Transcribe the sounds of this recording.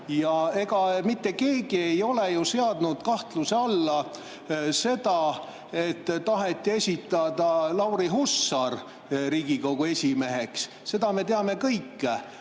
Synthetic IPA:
jɑe̞ɡ̥ɑmit̪ːe̞ke̞ːɡie̞jo̞le̞juseɑd̪nud̪̥kɑht̪luseɑlːɑ | se̞d̪̥ɑ | e̞t̪ːɑɦet̪ːie̞sʲit̪ːˑɑd̪ɑlɑwɾiɦusːɑr | ɾiːɡ̥iko̞ɡ̥ue̞sʲime̞ɦe̞ks | se̞d̪ɑme̞t̪e̞ɑme̞kɤjkːe

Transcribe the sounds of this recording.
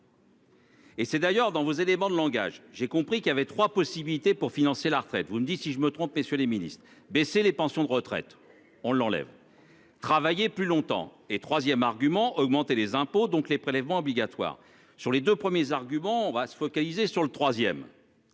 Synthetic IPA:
esɛd̪ajœʁd̪ɑ̃vozelemɑ̃d̪əlɑ̃ɡa̰ʒʒekɔ̃pχikʲiljavɛt̪χwapɔsibilit̪epuʁfinɑ̃selaʁət̪χɛt̪vuməd̪it̪siʒəmət̪χɔ̃pmesjøleminist̪χbeselepɑ̃sjɔ̃d̪əʁət̪χɛ̰t̪ | ɔ̃lːɑ̃lɛ̰v | t̪χavajeplylɔ̃t̪ɑ̰̃ | et̪χwazjɛmaʁɡʲymɑ̃ʔɔɡmɑ̃t̪elezɛ̃pod̪ɔ̃klepχelɛvmɑ̃ɔbliɡʲat̪wa̰ːʁ | syʁled̪øpχəmjezaʁɡʲymɑ̃ɔ̃vasə̥fɔkalizesyʁlət̪χwazjɛm

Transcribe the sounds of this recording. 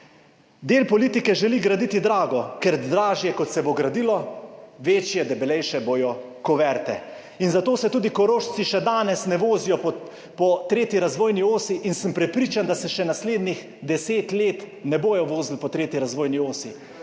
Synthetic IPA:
d̪eːlpɔliːt̪ikɛʒɛliɡɾad̪iːt̪id̪ɾaːɡɔkɛɾd̪ɾaːʒjɛkɔt̪sɛboɡɾad̪iːlɔʋeːt͡ʃjɛd̪ɛbɛlɛjʃɛboːjɔ | kɔʋɛɾt̪ɛ̰ | inzat̪oːsɛt̪uːd̪ikɔɾoːʃsiʃɛd̪aːnɛsnɛʋoːzijɔpɔ | pɔt̪ɾeːt̪jiɾazʋoːjnioːsiʔinsəmpɾɛpɾiːt͡ʃand̪asɛʃɛnasleːd̪nix | d̪ɛseːt̪leːt̪nɛboːjɔʋoːzlpɔt̪ɾeːt̪iɾazʋoːjnioːsi

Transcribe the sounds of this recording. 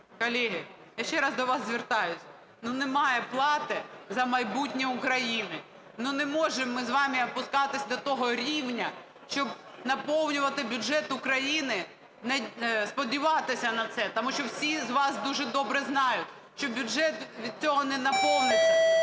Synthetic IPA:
kɔlʲiɦɪ | jaʃt͡ʃɛɾɑzd̪ɔʋɑsːʲʋert̪ɑjʊsʲ | nunɛmɑjɛplˠɑt̪ɪzɐmɐjbutʲnʲiʊkɾɐjinɪ | nunɛmɔʒɛmːɪzʋɑmʲiɔpʊskɑt̪ɪsʲd̪ɔt̪ɔɦɔɾʲiwnʲɐ | ʃt͡ʃɔb | nɐpɔwnʲʊʋɐt̪ɪbʲʊʒɛt̪ʊkɾɐjinɪ | nɛspɔdʲiʋɑt̪ɪsʲɐnɐt̪sɛt̪ɔmuʃt͡ʃɔwsʲizʋɑsd̪uʒɛd̪ɔbɾɛznɑjʊtʲ | ʃt͡ʃɔbʲʊʒɛt̪ʋʲid̪̚t͡sʲɔɦɔnɛnɐpɔwnʲɪj

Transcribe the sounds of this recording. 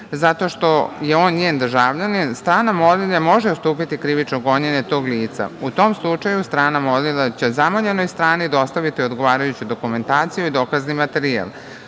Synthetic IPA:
zat̪o̞ʃt̪o̞je̞o̞ːnɲeːnd̪ər̩ʒaːʋʎaninst̪ɾaːnamo̞lilamo̞ʒeost̪uːpit̪ikɾiʋit͡ʃnoɡo̞ɲeɲet̪o̞ːɡliːt̪sa̰ut̪o̞mslˠut͡ʃajust̪ɾaːnamolilat͡ɕe̞zamoʎenojst̪ɾaːnid̪o̞st̪aʋit̪io̞d̪ɡo̞ʋaːɾajut͡ɕud̪o̞kume̞nt̪aːt̪sijuid̪o̞kaznimat̪eɾia̰l

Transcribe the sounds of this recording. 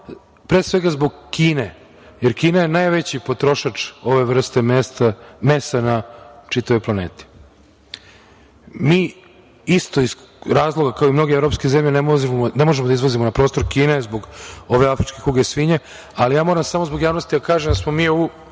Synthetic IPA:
pɾeːsʋe̞ɡazbo̞ɡkiːne | jeɾkiːnaje̞najʋet͡ɕipo̞t̪ɾo̞ʃat͡ʂo̞ʋe̞ʋr̩st̪e̞st̪amest̪anat͡ʂit̪aʋo̞jplˠaneːt̪i̥ | miː | ist̪o̞iz | ɾaːzlˠo̞ɡakaoimno̞ɡeʋɾo̞pskezemʎenemoznemoʒemod̪aizʋazimonapɾost̪oɾkiːnezbo̞ɡo̞ʋe̞afɾit͡ʃkekuɡesʋiɲe | alijaːmo̞ɾamsamozbo̞ɡjaːʋnost̪id̪akaːʒemd̪asmo̞miːou

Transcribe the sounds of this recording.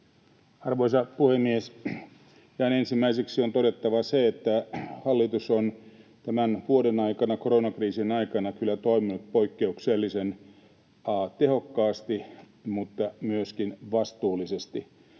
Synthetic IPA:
ɑrʋoisɑpuhemːies | jɑinensimːæiseksiont̪oɾet̪ːɑʋɑseet̪ːæhɑlːit̪usont̪æmænʋuodenɑikɑnɑkoronɑkriːsinɑikɑnɑkylːæt̪oiminut̪̚poikːeukselːisen | ɑt̪ehokːɑːst̪i | mut̪ːɑmyøskinʋɑst̪uːlːisest̪i

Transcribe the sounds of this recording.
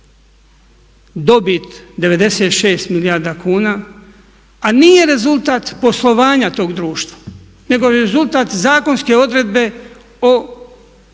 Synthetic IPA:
d̪o̞bit̪d̪e̞ʋe̞d̪e̞set̪ʃe̞ːst̪milijaɾd̪akuːnaː | aniːje̞ɾe̞zulˠt̪aːt̪po̞slˠo̞ʋaːɲat̪o̞ːɡd̪ɾuːʃt̪ʋḁ | ne̞ɡo̞ɾezulˠt̪aːt̪zaːko̞nske̞o̞d̪ɾe̞d̪be̞ | o

